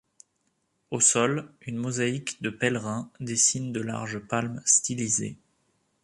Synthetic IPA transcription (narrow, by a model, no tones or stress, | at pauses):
osɔlynmɔzaikd̪əpɛlʁɛ̃d̪esind̪əla̰ʁʒəpalmst̪ilizḛ